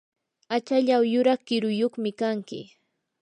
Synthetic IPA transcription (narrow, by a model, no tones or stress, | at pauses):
at͡ʃaʎawjʊɾɑχkɪɾʊjoχmɪkaŋkɪ̰